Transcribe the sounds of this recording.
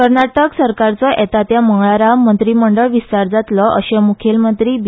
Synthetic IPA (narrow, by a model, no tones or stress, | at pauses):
kəɾɳaʈəksəɾkaɾt͡sɔʔɛt̪at̪jaməŋɡɭaɾamənt̪ɾiːməɳɖəɭʋist̪aɾd͡zat̪lɔʔəɕemukʰelmənt̪ɾiːb